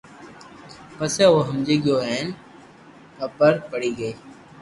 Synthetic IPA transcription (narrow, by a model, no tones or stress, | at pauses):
pəseːoːɦəmd͡ʒeːɡjoːɦɛːn | pəpəɾpəɽiːɡəeː